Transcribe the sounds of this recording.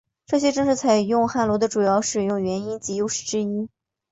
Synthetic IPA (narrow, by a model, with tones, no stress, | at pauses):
ʈ͡ʂɤ˥˩ɕ̬jɛ˥ʈ͡ʂɤ˥ŋʂɻ̩˥˩t͡sʰa˨˩ɪjʊ˥˧ŋxa˥˩lwɔ˧˥d̪ə˧ʈ͡ʂu˨˩jɑ˥˩ʊʂɻ̩˨˩jʊ˥˩ŋɥɛ˧˥ni˥nt͡ɕi˧˥jo˥˧ʊʂɻ̩˥˩ʈ͡ʂɻ̩˥i˥